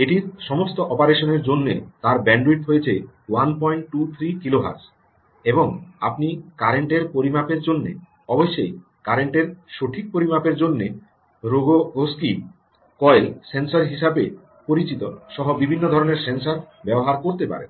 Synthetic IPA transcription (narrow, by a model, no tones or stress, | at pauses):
eʈiɾʃɔmost̪oʔɔpaɾeʃoneɾd͡ʑonːḛt̪aɾbɛɳɖɾuiʈɦojet͡ɕʰe | wanpɔjɳʈʈut̪ʰɾikiloɦa̰ɾs | eboŋa̰pnikaɾeɳʈeɾpoɾimapeɾd͡ʑonːḛ | ɔboʃːej | kaɾeɳʈeɾʃoʈʰik̚poɾimapeɾd͡ʑonːe | ɾoɡooski | kɔelsensaɾɦiʃabe | poɾit͡ɕit̪oʃɔɦobibʱinːod̪ʱɔɾoneɾsensaɾ | bɛboɦaɾkoɾt̪epa̰ɾḛ